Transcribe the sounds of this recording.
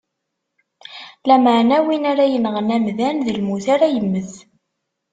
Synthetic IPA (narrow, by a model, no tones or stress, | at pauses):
læməʕnæwinaɾæjənʁənæmðænðilmuθaɾajəmːəθ